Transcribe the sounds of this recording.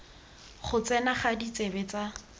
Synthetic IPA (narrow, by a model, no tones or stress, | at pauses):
χʊt͡sɛnaχadit͡sebɛt͡sa